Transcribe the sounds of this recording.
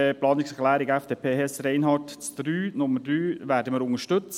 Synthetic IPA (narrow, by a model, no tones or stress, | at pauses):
əplɑːnɪksəklæːɾɪɡɛfd̥eːpʰeːhɛsɾɛɪnɦɑːtt͡sd̪̥ɾyːnʊmədɾyːʋæːɾdəməɾʊŋəʃtɵt͡s